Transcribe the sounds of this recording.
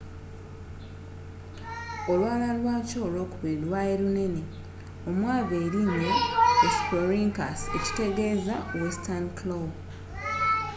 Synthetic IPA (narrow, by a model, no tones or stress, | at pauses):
o̞lwaːlalwaːco̞ːlo̞ːkuβilwaeɾune̞ne | o̞mwaːβeːɾinːeespoɾiŋkaseci̥te̞ɡe̞zawestanklo